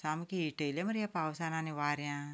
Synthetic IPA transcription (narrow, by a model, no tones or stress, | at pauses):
samkiiʈelamɐɾjapaːwsananiʋaːɾjã